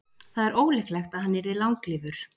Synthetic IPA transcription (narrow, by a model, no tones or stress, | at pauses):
θaðɛɾʔoːwlɛklɛxt̪aðhɦanːɪɾðɪðlawŋklɪːvʏɾ̥